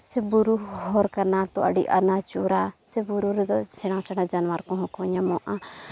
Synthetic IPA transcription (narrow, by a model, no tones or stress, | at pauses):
sɛbuɾuhɔɾkaɾnat̪ɔa̰ɖiʔa̰ɾnat͡ʃuɾasɛbuɾuɾɛd̪ɔsɛɽ̃ãsɛɽ̃ãd͡ʒanwaɾkɔ̃ɦɔ̃kɔ̃ɲamɔʔã